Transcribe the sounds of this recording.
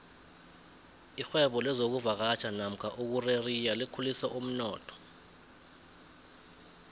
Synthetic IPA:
ixwɛɓɔlɛzok̬uvak̬at͡ʃʰanam̩kʰaʔuk̬urerijalikʰulisɛʔum̩nɔːtʰɔ̥

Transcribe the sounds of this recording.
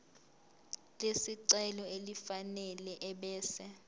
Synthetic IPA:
lesiǀɛlɔelifanɛlɛʔɛɓɛːsɛ

